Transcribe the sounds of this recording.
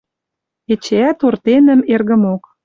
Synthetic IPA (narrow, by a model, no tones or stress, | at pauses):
et͡ɕeæt̪ort̪enə̆merɣə̆mok